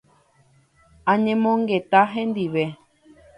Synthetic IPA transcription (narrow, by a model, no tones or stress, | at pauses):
ãɲẽmõŋɡet̪aɦẽnd̪iʋe